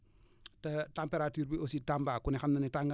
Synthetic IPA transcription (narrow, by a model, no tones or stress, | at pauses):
tɐtampeɾatuːɾbiositambakunɛxɐmnɐnitaŋɡa